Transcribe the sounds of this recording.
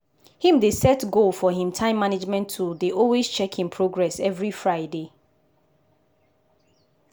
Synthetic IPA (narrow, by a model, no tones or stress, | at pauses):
hĩmdesɛtɡolfɔɦĩmtʰãɪ̃mːaned͡ʒmɛ̃ntʰːudeʔɔlˠwest͡ʃʰɛkhĩmpʰɹoɡɹɛsɛvɹifɹaɪde